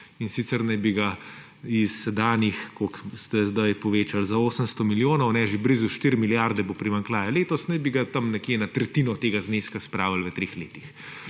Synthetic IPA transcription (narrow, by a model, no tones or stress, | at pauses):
insit̪sɛɾnɐjbiɡa | isːɛd̪aːnixkokst̪ɛzd̪ajpɔʋeːt͡ʃalzaoːsənst̪ɔmiljoːnɔwnɛʒebɾizuʃt̪iɾmiljaːɾd̪ɛbopɾimaŋklaːjaleːt̪ɔsnɐjbiɡat̪ɐmnɛkjenɐt̪ɾɛt̪inɔt̪eːɡazneskaspɾaːʋəlʋət̪ɾeːxleːt̪ix